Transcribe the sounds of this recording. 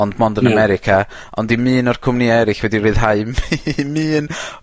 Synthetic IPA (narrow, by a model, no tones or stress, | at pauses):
ɔndmɔndənamɛɾɪkʰa | ɔ̰ndimɨːnɔrkʰʊmniɛɾɪɬwɛdirɨːð̥ɦaɨmmɨːn